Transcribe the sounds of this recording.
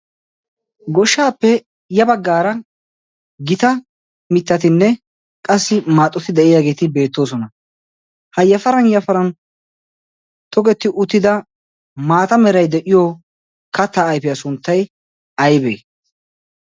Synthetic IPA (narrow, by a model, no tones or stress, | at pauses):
ɡɔʃːaːpːɛ | jɐbɐɡːaːɾɐ | ɡɪt̪ɐ | mɪt̪ːɐt̪ɪnːɛ | kʼɐsːɪmaːt̪ʼːɔt̪ɪd̪ɛʔɪjaːɡe̞ːt̪ɪbe̞ːt̪ːo̞ːs̬ɔnɐ | hɐjɐfɐɾɐnjɐfɐɾɐn | t̪ʰʼɔɡɛt̪ːɪʔʊt̪ːɪd̪ɐ | maːt̪ɐmɛɾɐjd̪ɛʔɪjoː | kɐt̪ːɐːjpɪjasʊnt̪ːɐj | ɐjbɛj